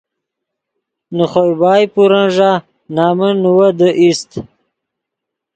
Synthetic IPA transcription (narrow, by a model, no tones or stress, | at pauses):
nuχojbaːjpuɾanʐa | naːmənuwɐd̪əʔist̪